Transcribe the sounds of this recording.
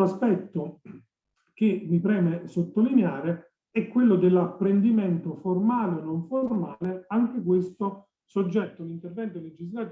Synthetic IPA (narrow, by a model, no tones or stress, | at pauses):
aspɛt̪ːo | k̟emipɾɛːmesot̪ːolineaːɾe | ɛkːwelːod̪elːapːɾend̪imɛnt̪oformaːleonːoɱformaːleaŋk̟ekwest̪o | sod͡ʒːɛt̪ːolint̪ervɛnt̪oled͡ʒizlat̪ː